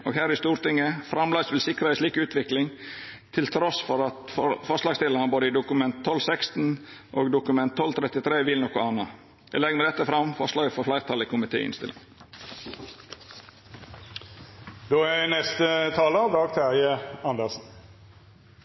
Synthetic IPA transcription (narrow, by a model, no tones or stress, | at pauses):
ʔoːɡɦæːɾɪst̪uːɾt̪ɪŋːəfɾɑmlɑsʋɪlsɪkɾəæɪsɭiːkʉːt̪ʰʋɪklɪŋ | t̪ʰɪlt̪ʰɾɔsfɔɾɑt̪fɔfɔslɑːɡst̪ɪlənəboːd̪əɪd̪ʊkʉmɛnt̪ʰːɔlsɛkst̪n̩ʔoːɡd̪ʊkʉmɛnt̪ʰːɔlt̪ʰɾɛt̪ɪt̪ʰɾeːʋɪlnɔkʊɑnːɑ | ɛ̰lɛɡəməd̪ɛt̪ːəfɾɑmfɔslɑːɡəfɔflæɪɾt̪ʰɑlɪkʰʊmɪt̪ʰḛːɪ̰nst̪ɪ̰lɪ̰ŋ | d̪oːænɛst̪ət̪ʰɑːləɑʋd̪ɑːɡt̪ʰæʁjəɑnd̪əsn̩